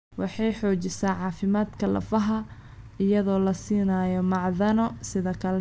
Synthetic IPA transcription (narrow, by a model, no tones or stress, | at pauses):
wɑħɑjħɔːt͡ʃɪsaːʕɑːfɪmaːd̪kʰɐlɐ̰fɐɦɐ | ɪjɐðɔːlɐsiːnaːjɔmɑʕðɐnɔsɪðɐkʰɐlɛ